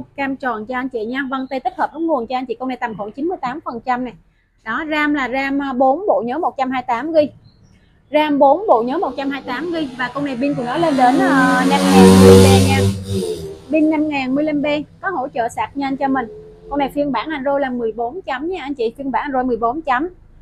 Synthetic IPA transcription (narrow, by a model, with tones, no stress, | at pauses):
kaː˧mt͡ɕɔ˨˩nt͡ɕɔ˧ʔə˧nt͡ɕḭ˧˨ɲaː˧və˧nt̪ə˧jt̪i˦˥k̚hə˨˩p̚nɔ˨˦ŋu˨˩ənt͡ɕɔ˧ʔa˧ŋt͡ɕḭ˧˨ko˧wna˨˩jt̪a˨˩mxɔ̰˧˨˩nt͡ɕi˨˦nmɨ˧əjt̪aː˨˦mfə˨˩nt͡ɕa˧mna˨˩j | ɗɔ˨˦zaː˧mlaː˨˩zaː˧mː˧ɓo˨˦nɓo̰˧˨ɲəː˨˦mo˨˩t̚t͡ɕa˧mɦaː˧jt̪aː˨˦mɣi˧ | zaː˧mɓo˨˦nɓo̰˧˨ɲəː˨˦mo˨˩t̚t͡ɕa˧mhaː˧jt̪aː˨˦mɣi˧vaː˨˩ko˧wna˨˩jɓi˧ŋku˧˩ənɔ˨˦le˧nɗe˨˦nəː˧na˧mŋaː˨˩nm˧lə˧ɓa˧ŋaː˨˩n | ɓi˧ŋna˧mŋaː˨˩nmɨ˧əla˧mɓe˧kɔ˨˦ho̰˧˥t͡ɕə̰ː˧˨saː˨˩k̚ɲə˧nt͡ɕɔ˧mï˨˩ŋ̟ | ko˧wna˨˩fi˧ənɓaː˧˩nʔa˧˩nzo˧jlaː˨˩mɨ˨˩əjɓo˨˦nt͡ɕa˨˦mɲaː˧ʔa˧ŋ̟t͡ɕḭ˧˨fi˧ənɓaː˧˩n˧nzo˧jmɨ˨˩əjɓo˨˦nt͡ɕa˨˦m